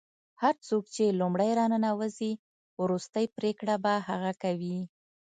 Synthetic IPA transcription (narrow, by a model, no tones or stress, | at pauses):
haɾt͡sokt͡ʃelumɽəjɾɑnənawəzi | wɾust̪əjpɾekɽabahaɣakawi